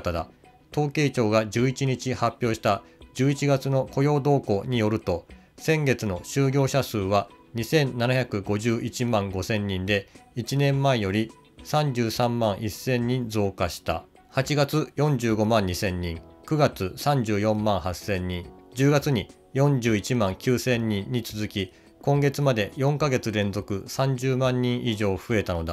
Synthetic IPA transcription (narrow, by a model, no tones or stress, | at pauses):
t̪ad̪a̰ | t̪o̞ːke̞ːt͡ɕo̞ːɡad͡ʑɨːit͡ɕiɲ̟it͡ɕihapʲːjo̞ːɕi̥t̪a | d͡ʑɨːit͡ɕiɡat͡sɨno̞ko̞jo̞ːd̪o̞ːko̞ɲ̟ijo̞ɾɯ̟t̪o̞ | sẽ̞ŋɡe̞t͡sɨno̞ɕɨːɡʲo̞ːɕasɨːβa | ɲ̟isẽ̞nnːanaçakɯ̟ɡo̞ʑɨːʔit͡ɕimãŋɡo̞sẽ̞ɲːĩnd̪e̞it͡ɕinẽ̞mmːaejo̞ɾʲi | sãɲd͡ʑɨːsãmːãɰ̃ʔisːẽ̞ɲːĩnd͡zo̞ːkaɕi̥t̪a̰ | hat͡ɕiɡat͡sɨjõ̞ɲd͡ʑɨːɡo̞mãɲ̟ːisẽ̞ɲ̟ːĩŋkɯ̟ɡat͡sɨsãɲd͡ʑɨːjõ̞mːãɰ̃hasẽ̞ɲ̟ːĩŋd͡ʑɨːɡat͡sɨɲ̟i | jõ̞ɲd͡ʑɨːit͡ɕimãŋkʲɨːsẽ̞ɲːĩɲːit͡sɨzɨkʲi | kõ̞ŋɡe̞t͡sɨmad̪e̞jõ̞ŋkaɡe̞t͡sɨɾẽ̞nd͡zo̞kɯ̟sãɲd͡ʑɨːmãɲ̟ːĩɰ̃ʔiʑo̞ːɸɯ̟e̞t̪ano̞d̪a